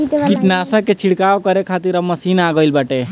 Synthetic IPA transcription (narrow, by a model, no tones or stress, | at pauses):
kit̪nasə̃ket͡ʃʰiɽkawkəɾekʰat̪iɾəmːəsiːnaɡəjlbaʈe